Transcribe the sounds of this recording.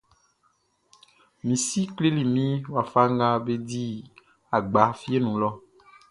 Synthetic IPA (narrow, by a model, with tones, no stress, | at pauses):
mĩ˨si˦kle˦li˨mĩ˦wa˨fa˦ŋɡa˦be˦di˦ | a˨ɡ͡ba˨˦fi˦e˦nũ˨lɔ˦